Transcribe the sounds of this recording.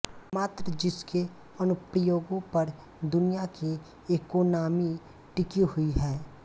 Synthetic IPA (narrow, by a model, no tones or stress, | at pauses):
maːt̪ɾəd͡ʒɪske | ənʊpɾəjoːɡõpɐɾ | d̪ʊnijaki | eːkoːnaːmi | ʈɪkiɦʊiɦɛː